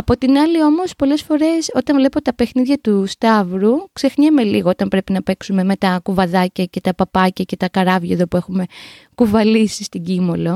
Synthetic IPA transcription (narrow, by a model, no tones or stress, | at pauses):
ɐpo̞t̪inɐlio̞mo̞spo̞le̞sfo̞ɾe̞so̞t̪ɐɱvle̞po̞t̪ɐpe̞xniðʝɐt̪ust̪ɐvɾukse̞xɲeme̞liɣo̞o̞t̪ɐmpɾe̞pinɐpe̞ksume̞me̞t̪ɐkuvɐðɐcɐce̞t̪ɐpɐpɐcɐce̞t̪ɐkɐɾɐvʝeðo̞pue̞xume̞ | kuvɐlisist̪iɟimo̞lo̞